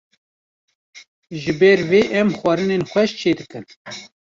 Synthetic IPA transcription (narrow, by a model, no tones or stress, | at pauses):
ʒɨbɛɾveːʔɛmxwɛɾɨnenxʷɛʃt͡ʃʰeːd̪ɨkɨn